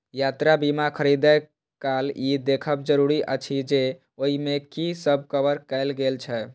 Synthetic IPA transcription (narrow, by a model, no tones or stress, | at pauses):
jat̪ɾabimakʰəɾid̪ə | kalid̪ekʰəbd͡ʒəɾuɾiʔə̰t͡ʃʰid͡ʒe | oɦimekisəb̚ʱkəbəɾkɛɪlɡelt͡ʃʰɛ